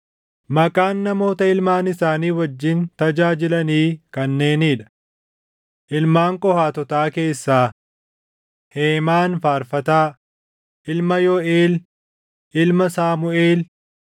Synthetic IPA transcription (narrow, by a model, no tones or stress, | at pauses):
mɐkʼaːnːɐmo̞ːt̪ɐɪlmaːnɪsaːniːwɐd͡ʒːɪnt̪ɐd͡ʒaːd͡ʒɪlɐniːkɐnːe̞ːniːᶑɐ̥ | ʔɪlmaːŋkʼɔhaːt̪ɔt̪aːke̞ːsːaː | heːmaːnfaːɾfɐt̪aː | ʔɪlmɐjɔʔeːl | ʔɪlmɐsaːmʊeːl